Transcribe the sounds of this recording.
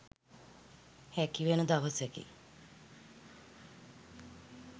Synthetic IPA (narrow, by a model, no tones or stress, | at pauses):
hækiʋenud̪aʋəsɛkḭ